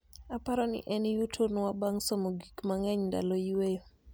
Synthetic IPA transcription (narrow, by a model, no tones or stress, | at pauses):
apaɾɔnɪ̰ʔɛnjutʰonwabaŋsomoɡikmaŋɛɲnda̰lɔjwe